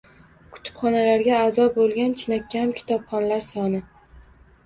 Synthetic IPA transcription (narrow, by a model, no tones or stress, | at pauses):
kʰʊ̥t̪ʰɪ̥pχɒnalaɾɡʲaːzɒbolˠɡʲant͡ʃʰɪnakʲːamkʲʰɪ̥t̪ʰɒpχɒnlaɾsɒnɪ